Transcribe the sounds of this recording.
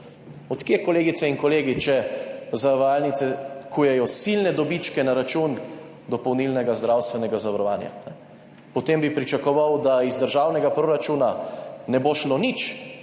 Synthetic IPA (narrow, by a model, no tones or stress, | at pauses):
ɔt̪kjekɔleːɡit̪sɛiŋkɔleːɡit͡ʃɛzaʋaːlnit̪sɛkujɛjɔsilnɛd̪ɔbit͡ʃkɛnaɾat͡ʃun | d̪ɔpɔwnilnɛɡazd̪ɾawst̪ʋɛnɛɡazaʋɐɾɔʋa̰ːnja̰nɛ | pɔt̪embipɾit͡ʃakɔʋawd̪aizd̪əɾʒaːwnɛɡapɾoɾat͡ʃuːnanɛboʃlonit͡ʃ